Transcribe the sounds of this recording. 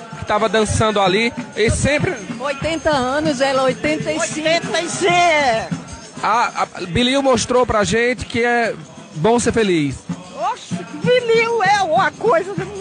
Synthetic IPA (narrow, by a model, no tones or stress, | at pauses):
kɪ̥t̪avɐd̪ɐ̃sɐ̃nd̪ʊaliesẽpɾɪojt̪ẽnt̪ɐɐ̃nʊzɛlɐojt̪ẽnt̪ejjĩẽt̪ejse | abiliwmoʃt̪ɾopɾaʒẽt̪ɪ̥kɪɛ | bõw̃seɾfelis | oʃbiliwɛũɐkojzɐ